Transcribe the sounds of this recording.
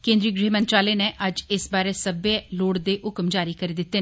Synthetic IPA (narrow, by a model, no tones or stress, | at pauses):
kẽːnd̪ɾiːɡɾeːmə̃nt͡ʃaːleːneʔəd͡ʒɪsbaːɾeːsəbeloːɽd̪eːɦʊkmd͡ʒaːɾiːkəɾiːd̪ɪt̪ːeː